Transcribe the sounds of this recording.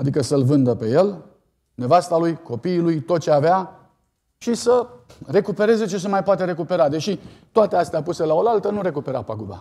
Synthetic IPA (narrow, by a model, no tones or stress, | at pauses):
ad̪ikəsəlvɨnd̪əpe̞je̞l | ne̞vast̪alujko̞piːlujt̪o̞t̪̚t͡ʃeavea | ʃisəre̞kupe̞ɾe̞ze̞t͡ʃe̞semajpoat̪e̞ɾe̞kupe̞ɾad̪e̞ʃit̪oat̪east̪eapuse̞lao̞lalt̪ənuɾe̞kupe̞ɾa̰paɡuba̰